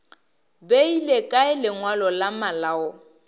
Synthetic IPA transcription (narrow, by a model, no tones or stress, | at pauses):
beilekʼaɪlɪŋwalɔlamalaɔ